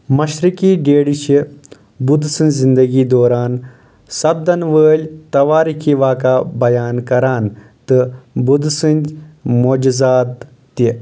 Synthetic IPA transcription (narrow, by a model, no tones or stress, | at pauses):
mɐʃɾikiːɖeːɽiʃi | bud̪sɨ̃nzind̪ɐɡiːd̪oːɾaːn | sɐb̚d̪ɐnʋəːlʲt̪ɐʋaːɾikʰiːʋaːkaːbɐjaːnkɐɾaːn | t̪ɨbud̪sɨnmoːd͡ʒɐzaːd̪ | t̪i